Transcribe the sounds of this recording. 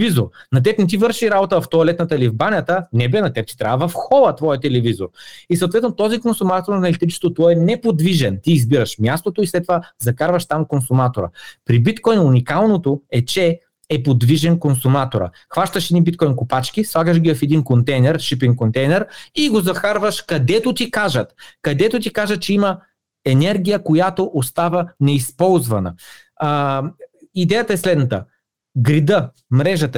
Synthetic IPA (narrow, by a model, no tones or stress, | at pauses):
vizoɾnɐt̪̬ɛpnɛt̪ivɤɾʃiɾabot̪əvɐft̪oɐlɛt̪nət̪əlivbanʲɐt̪ənɛbɛnɐt̪ɛp̚t͡ʃ̪i̥t̪ɾaəvɐfxɔlˠət̪vɔjət̪ɛlɛvizo̰ɾisəwt̪vɛt̪not̪ɔzikonsumat̪oɾnɐnɐlʲit̪ɾit͡ʃɛ̥t̪ot̪ɔɛnɛpod̪viʒɛnt̪iːzbiɾəʃmʲjast̪ot̪oislɛt̪ːovazɐkaɾvɐʃt̪amkonsumat̪oɾə̰pɾibit̪kɔjnʊnikalˠnot̪oɛt͡ʃɛː | pod̪viʒɛnkonsumat̪oɾə̰ | xvaʃt̪əʃɛd̪nibit̪kɔjnkʊpat͡ʃk̟ʲislˠaɡəʃɡʲiəfɛd̪inkont̪ɛjnɛɾʃipiŋkont̪ɛjnɛɾiɡozɐxaɾvəʃkɐd̪ɛt̪ot̪ikaʒət̪kɐd̪ɛt̪ot̪̬ikaʒət̪̚t͡ʃɛimɐ | ɛnɛɾɡʲijəkojat̪oʔost̪avənɛispɔlˠzvɐnə̰ | id̪ɛjət̪əɛslɛd̪nət̪ə | ɡɾid̪ə | mɾɛʒət̪